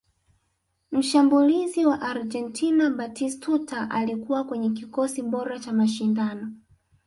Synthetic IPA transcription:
m̩ʃambuliziwaʔaɾd͡ʒɛntʰinaɓatistutaʔalikuwakwɛɲɛk̬ikɔsiɓɔɾat͡ʃamaʃindanɔ

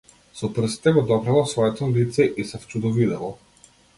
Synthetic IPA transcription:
sɔpr̩si̥t̪ɛɡɔd̪ɔpɾalˠasvɔɛt̪ɔlit̪sɛʔisɛft͡ʃud̪ɔvid̪ɛlˠɔ

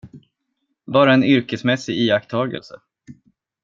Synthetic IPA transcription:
bɑːɾaɛnʏɾkəsmɛsːɪɡiːakt̪ʰɑːɡə̰lsə

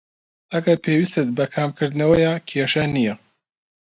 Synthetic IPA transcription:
ɐɡɐɾpʰeːwist̪ɨt̪̚bɐkʰaːmkʰɨɾd̪ɨnɐwɐjaːkʰeʃɐnijɛ

